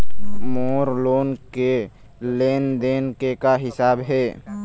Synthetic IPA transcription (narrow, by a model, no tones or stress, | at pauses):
moːɾloːnke | leːnd̪eːnkekaɦɪsaːbɦɛː